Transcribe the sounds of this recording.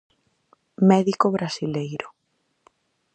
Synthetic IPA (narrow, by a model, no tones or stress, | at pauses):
mɛðikoβɾasilejɾʊ